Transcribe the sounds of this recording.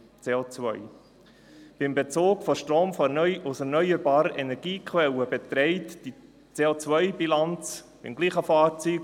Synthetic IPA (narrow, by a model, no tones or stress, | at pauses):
t͡seːot͡svœʏ | b̥ɪmbɛt͡soːkfɔʃtroːmfɔʊsɛɾnœʏəɾbɑːɾəʔɛnɛɾɡ̥iːkχʋɛləbɛt̪ɾɛɪtd̥i | t͡seːot͡svœʏb̥ilɑnt͡s | b̥ɪ̰mɡliːχəfɑːɾt͡syːɡ